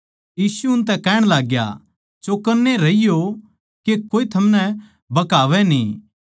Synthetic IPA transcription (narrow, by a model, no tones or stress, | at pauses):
jiːsuʊnt̪̬ɛ̃kɛːɽ̃laːɡja̰ | t͡ʃokɐɾneɾɐijo | kekoːit̪ʰɐmnɛ | bɐkaːʋɛnĩː